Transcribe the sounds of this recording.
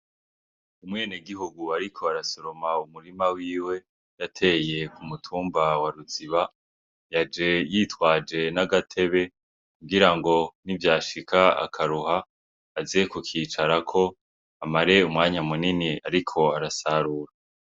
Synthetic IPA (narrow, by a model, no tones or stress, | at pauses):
umŋeːneɡiɦuɡuaɾikʰo̞aɾasoɾomaumuɾimawiːwe̞ | jatʰe̞je̞kumutʰuːmbawaɾut͡siβa | jad͡ʒe̞jiːtwaːd͡ʒe̞naɡatʰe̞βe̞ | kuɡiɾaŋɡo̞nivjaːʃikʰaa̰kʰaɾuhaː | zekokʰiːt͡ʃaɾakʰo̞ | amaɾe̞umŋaːɲamuniniaɾikʰo̞aɾasaɾuːɾa